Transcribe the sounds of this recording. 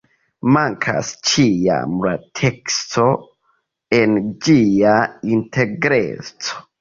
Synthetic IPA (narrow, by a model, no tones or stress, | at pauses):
maŋkʰa̰st͡ʃia̰mlatʰe̞kstʰo | end͡ʒiaintʰe̞ɡɾḛt͡so̥